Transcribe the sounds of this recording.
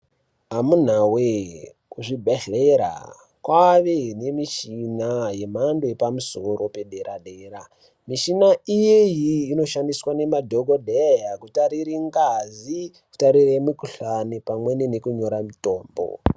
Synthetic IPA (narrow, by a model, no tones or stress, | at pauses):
ɦamun̤awe | uʐibʱaɬeɾa̰ | kwaʋene̞miʃinaje̞mandoepamusoɾo̞pe̞ɗeɾaɗeːɾa | miʃinaijejiːno̞ʃandiswane̞madʱoɡodʱejakutaɾiɾiŋɡazi | ku̥taɾiremikuɬanipamwe̞nenekuɲo̞ɾamito̞ːmbo̰